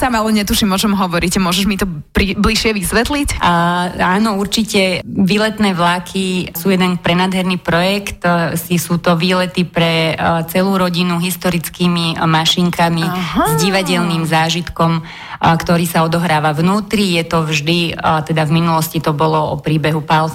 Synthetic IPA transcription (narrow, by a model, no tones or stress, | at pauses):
saːmalɛɲɛt̪uʃimʊɔʒɛmɦɔʋɔɾicmʊɔʒɛʒmit̪ɔb̥ɾibliʃɪɛʋisʋɛt̪lic | aːnɔuɾt͡ʃicɛʋiːlɛt̪nɛːʋlakʰisuːjɛd̪ɛnpɾɛnaːd̪ɦɛɾniːpɾɔjɛkt̪sisuːt̪ɔʋiːlɛt̪ipɾɛt͡sɛluːɾɔɟinuɦist̪ɔɾit͡skiːmimaʃiŋkʰamizɟiʋaɟɛʎniːmzaːʒit̪kɔm | kt̪ɔɾiːsaɔd̪ɔɦɾaːʋaʋnuːt̪ɾijɛt̪ɔʋʒd̪it̪ɛd̪avminulɔscit̪ɔbɔlɔɔpɾiːbɛɦupal